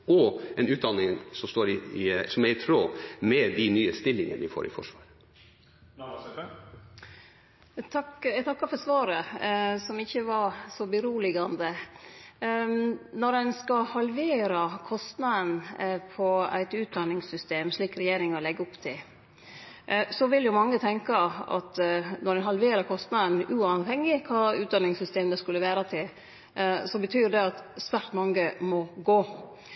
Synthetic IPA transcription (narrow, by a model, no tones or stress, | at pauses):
ɔɛnʉːt̪̚d̪ɑnɪŋsɔmst̪oːɾɪɪsɔmæɾɪt̪ʰɾoːmɛd̪ɪnyːəst̪ɪlːɪŋə̰nʋɪfo̰ːɾʔɪ̰fɔ̰ʂʋɑ̰ːɾ | t̪ʰɑkt̪ʰɑkːɑfɔsʋɑːɾəsɔmɪçːəʋɑɾsɔbəɾuːlɪɡɑnd̪ə | nɔɾdɛnskɑhɑlʋeːɾɑkʰɔst̪nɑd̪ənpʰɔæ̰ɪt̪ʉːt̪̚d̪ɑnːɪŋsʏst̪eːmʂɭiːkɾɛjeːɾɪŋɔlɛɡːəʊpt̪ʰɪl | sɔʋɪljʊmɑŋːət̪ʰɛŋkɑɑ̰t̪nɔɾɖɛnɦɑlʋeːɾɑɾkʰɔst̪nɑd̪ənʉːɑʋɦɛŋːɪkʰɑːʉːt̪̚d̪ɑnɪŋsʏst̪eːmnəskʉlːəʋæːɾɑt̪ʰɪl | sɔbət̪ʰyːɖɛɑt̪sʋæɾʈ̪mɑŋːəmɔɡoː